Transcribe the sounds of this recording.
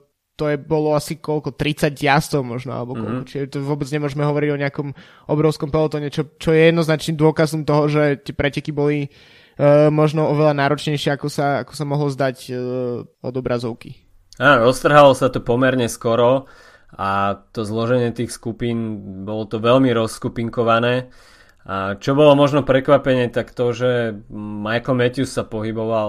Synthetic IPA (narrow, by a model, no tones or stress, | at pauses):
t̪ɔjɛbɔlɔasikɔlkɔt̪ɾit͡saɟjast̪ɔʊmɔʒnɔa̰lɛbɔkkɔ̰lkɔt͡ʃiʒɛt̪ɔʋʊɔbɛd͡zɲɛmʊɔʒɛmɛɦɔʋɔɾiɟɔɲɛakɔm | ɔbɾɔʊskɔmpɛlɔt̪ɔːɲɛt͡ʃɔt͡ʃɔjɛjɛd̪nɔznat͡ʃnimd̪ʊɔkazɔmt̪ɔɦɔʒɛt̪ɪɛpɾɛcɛkibɔli | mɔʒnɔɔʋɛlʎanaːɾɔt͡ʃɲɛɪʃɪɛakɔsaakɔ̥samɔɦlɔzd̪ac | ɔ̰d̪ɔbɾʔazɔʊki | aːɾɔst̪r̩ɦalɔsat̪ɔpɔmɛɾɲɛskɔɾɔ | at̪ɔzlɔʒɛɲɪɛt̪iːxskupiːnbɔlɔt̪ɔʋɛlmiɾɔskupiŋkɔʋanɛː | ʔat͡ʃɔbɔlɔmɔʒnɔpɾɛkʋapɛɲɛt̪akt̪ɔʒɛmajkl̩mɛt̪usːapɔɦibɔʋal